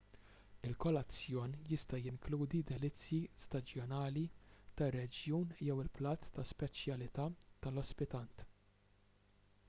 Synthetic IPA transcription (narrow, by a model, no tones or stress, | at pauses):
ɪlkɔlɐt͡sːjɔːnjɪst̪ɐjɪŋkluːd̪id̪ɛlɪt͡sːjist̪ɐd͡ʒjɔnɐːlit̪ɐrːɛd͡ʒjuːnjɛwɪlplɐːt̪ːɐspɛt͡ʃjɐlɪt̪ɐːt̪ɐlɔspɪt̪ɐnt̪